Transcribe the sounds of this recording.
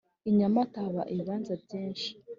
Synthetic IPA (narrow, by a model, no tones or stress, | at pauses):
iɲamataβa̰ʔiβaːnzabɟeːnʃi̥